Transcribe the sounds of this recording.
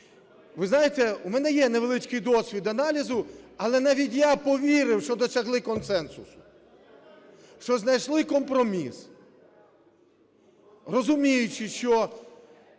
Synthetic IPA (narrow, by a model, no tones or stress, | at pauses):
ʋɪznɑjet̪ɛumɛnɛjɛneʋelˠɪt͡ʃkɪjd̪ɔsʲʋʲid̪ɐnɑlʲizʊɐlˠɛnɑʋʲitʲjapɔʋʲiɾɪwʃt͡ʃɔd̪ɔsʲɐɦlˠɪkɔnsɛnsʊsʊ̥ | ʃt͡ʃɔznɐjʃlˠɪkɔmpɾɔmʲis | rɔzʊmʲijʊt͡ʃɪʃt͡ʃɔ